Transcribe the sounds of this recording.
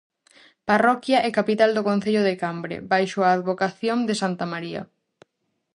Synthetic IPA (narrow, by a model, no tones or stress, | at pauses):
parɔkjɐʔɛkapit̪ald̪okõn̟θeʎoðekambɾḛbajʃʊaːðβokaθjoŋd̪esant̪amaɾiɐ̰